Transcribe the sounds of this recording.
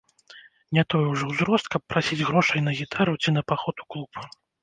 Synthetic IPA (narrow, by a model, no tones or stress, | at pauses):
nʲɛt̪ɔjwʐɔwzɾɔst̪̚kɐpːɾasʲid͡zʲɣɾɔʂɐjnɐɣʲit̪ʰaɾut͡sʲinɐpaxɔt̪u̥klˠup